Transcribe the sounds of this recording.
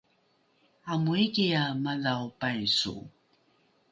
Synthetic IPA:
amuikiamaðawpajsṵ

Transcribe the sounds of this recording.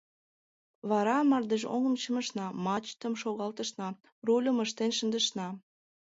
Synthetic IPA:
βɑɾɑmɑrd̪əʒo̰ŋə̆mt͡ɕəmə̆ʃnɑmɑt͡ɕt̪ə̆mʃoɣɑlt̪ə̆ʃnɑ | rulʲəməʃt̪enʃənd̪əʃnɑ

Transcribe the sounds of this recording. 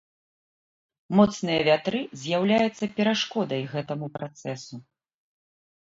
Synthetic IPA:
mɔt̪snɨjɐvʲat̪ɾɨzʲjawlʲajut̪sːɐpʲɛɾaʂkɔd̪ɐjɣɛt̪ɐmupɾat̪sɛsu

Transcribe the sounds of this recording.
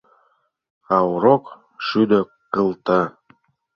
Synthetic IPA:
ɑwɾok | ʃyd̪ø̆ | qːəlˠt̪ɑ

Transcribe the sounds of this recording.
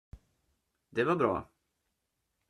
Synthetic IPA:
d̪ɛvaɾbɾɑ̰ː

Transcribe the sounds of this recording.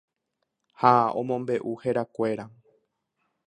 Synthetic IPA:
haõ̰mõ̞mbe̞ʔuheɾakʷe̞ɾa

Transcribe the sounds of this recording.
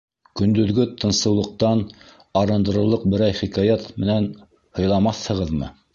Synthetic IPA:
kɵ̆nd̪ɵ̆ðɡɵt̪ɤ̆nsɤ̆wlˠɤ̆q̚t̪ɑn | ɑɾɤ̆nd̪ɤ̆ɾɤ̆lˠɤq̚bɘ̆ɾæjχikɑjɑt̪mɘ̆næn | hɤ̆jlˠɑmɑθhɤ̆ʁɤðmɤ̰

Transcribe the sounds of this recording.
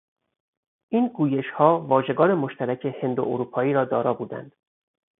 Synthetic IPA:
ʔiːnɡuːje̞ʃhɒːvɒːʒe̞ɡɒːɾemoʃt̪æɾæcʰe̞he̞nd̪o̰ʔoɾuːpʰɒːiːɾɒːd̪ɒːɾɒːbuːd̪æ̰nd̪̥

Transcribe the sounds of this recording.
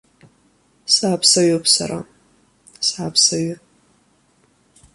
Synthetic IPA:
saːpʰsɐɥopʰsa̰ɾʔa̰ | saːpʰsaɥʊ

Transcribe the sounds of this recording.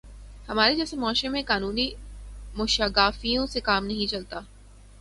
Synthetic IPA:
hɐmaːɾed͡ʒɛːsemɔaːʃẽmẽkaːnuːnimʊʃaɡaːfijõsekaːmnɐɦĩt͡ʃɐlt̪aː

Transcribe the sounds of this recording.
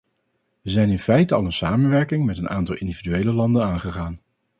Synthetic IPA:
ʋəzɛjnɪnfɛjtəɑ̰lˠənsaːmənʋɛɹkɪŋmɛtənaːntɑlˠɪndividyejləlɑndənaːnχəχaːn

